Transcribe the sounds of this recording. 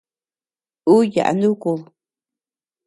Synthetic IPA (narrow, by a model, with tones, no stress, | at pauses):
u˦ja̰˨ʔa̰˨nd̪ũ˦ku˧